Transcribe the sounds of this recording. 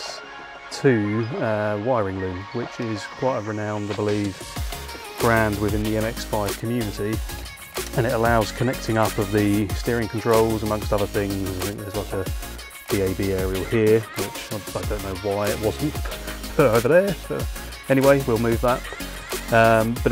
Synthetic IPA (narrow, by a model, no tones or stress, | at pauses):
tʰɨʌwaɪəɹɪ̃ŋlʉ̃mwɪt͡ʃɪz̥kʰw̥aɪtəɹɨnãʊ̃nðəbəliv | ɡ̥ɹæ̃nd̚wɨðɪ̃nðiɛ̃mɛksfaɪv̥kʰəmjʉnɨti | ə̃ñɨɾəlaʊz̥kʰənɛk̚tʰɪ̃ŋʌpʌvðɨstɪːɹɪ̃ŋkʰn̩tʰɹ̥oʊlˠzəmʌ̃ŋkstʌðə˞θɪ̃ŋzzaɪθɪ̃ŋk̚ðəzlaɪkə | d̥ieɪbiɛɹiəlˠhɪəwɪt͡ʃaɪaɪdə̃ʊ̃nːoʊwaɪɪʔ̚wɒzn̩t | əʊvəðəsəʊ | ɛñiweɪwilˠmʉːvðət̚ | ʌ̃mb̥ʌ